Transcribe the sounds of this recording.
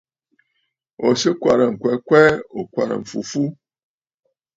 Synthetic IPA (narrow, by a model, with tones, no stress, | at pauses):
o˨se˦kʷa˨ɾa˨ŋ̩˨kʷɛ˨˦kʷɛ˦o˨kʷa̰˨ɾa̰˨ɱ̩˨fṵ˨fu˦